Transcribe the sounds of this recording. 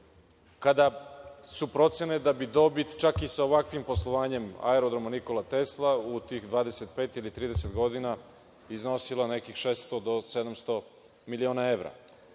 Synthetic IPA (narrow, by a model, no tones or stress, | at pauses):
kad̪asupɾo̞t̪se̞ned̪abid̪o̞bit̪t͡ʃakisaoʋakʋimpo̞slˠoʋaːɲe̞ma̰eɾod̪ɾomaniko̞lat̪e̞slˠaut̪iːxd̪ʋaːd̪eset̪̚peːt̪ilit̪ɾiːd̪eset̪ɡo̞d̪ina | izno̞silˠanekixʃeːst̪od̪o̞sed̪amst̪o̞ | milioːnaeʋɾa̰